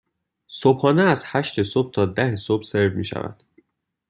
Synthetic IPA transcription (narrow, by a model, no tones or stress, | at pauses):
sobhɒːneæzhæʃt̪ʰesob̥̚t̪ʰɒːd̪æhesob̥seɾvmiːʃæ̰væ̰d̪̥